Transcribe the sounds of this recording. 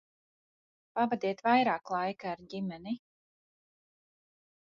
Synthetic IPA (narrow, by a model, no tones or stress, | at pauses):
pavad̪iɛt̪vajɾaːklˠajkaːɾɟimɛni